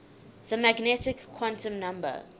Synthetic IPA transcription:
ðəmæɡnɛtɪkʰːwɔ̃ntə̃mnãmbə̰

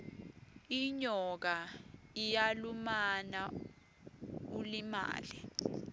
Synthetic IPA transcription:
iɲɔk̬aijalumana | ulima̰ːli

